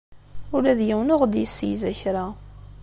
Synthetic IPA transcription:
ʊlæðjiwnʊʁd̪jəsːijzæçɾa

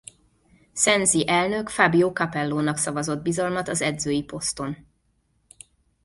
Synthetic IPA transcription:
sɛnziʔɛlnø̞kfabioːkɒpɛlːoːnɒksɒvɒzo̞d̪̚bizɒlmɒt̪ɒzɛd̪zøːjipo̞st̪o̞n

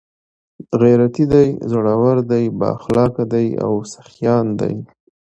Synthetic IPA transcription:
ɣaɾat̪id̪ajzəɽawaɾd̪ajbɑ̰xlɑkad̪aja̰wsḁxjɑnd̪a̰j

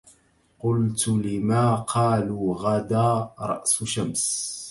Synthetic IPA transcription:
qʊlt̪lɪmaːqʰɑːluːɣad̪aːɾˤɑ̰ʔsʊʃams

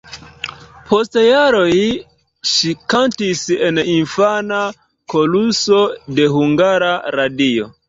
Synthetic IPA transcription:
pʰo̞stjaɾo̞j | ʃikantise̞ninfana | ko̞luso̞de̞huŋɡaɾaɾadio̞

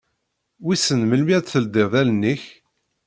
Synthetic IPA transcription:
wisənməlmit̪θəld̪ɪʁðælənːiç

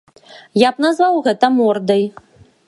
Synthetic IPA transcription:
japnazvawɣɛt̪ɐmɔrd̪ɐj

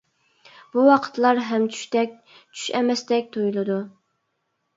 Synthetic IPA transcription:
b̥uwɑqʰə̥t̪lˠɑɾɦɛmt͡ʃʰy̥ʃt̪ɛk̚ʲ | t͡ʃʰy̥ʃɛmɛst̪ɛk̚ʲt̪ʰojulˠɨd̪u

